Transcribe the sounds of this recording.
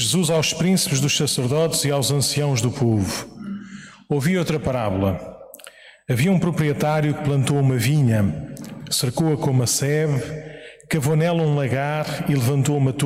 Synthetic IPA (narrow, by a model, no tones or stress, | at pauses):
ʒɨzuzawʃpɾĩsi̥pʒðuʃsɐsɨɾðɔt̪z̥iawzɐ̃siɐ̃w̃ʒðupovu | oviowt̪ɾɐpɐɾaβulˠɐ | ɐviɐũpɾupɾiɛt̪aɾjuk̚plˠɐ̃nt̪oumɐviɲɐ | sɨɾkoɐkõumɐsɛβ | kɐvonɛlˠɐũlˠɐɣaɾilˠɨvɐ̃nt̪oumɐt̪